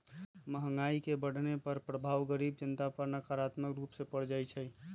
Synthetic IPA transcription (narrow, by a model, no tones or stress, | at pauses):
məɦəŋɡaikebəɽ̤ʱnepəɾpɾəbʱaːʋɡəɾibd͡ʒənt̪apəɾnəkaɾat̪məkɾuːpsepəɽ̤d͡ʒajt͡ʃʰə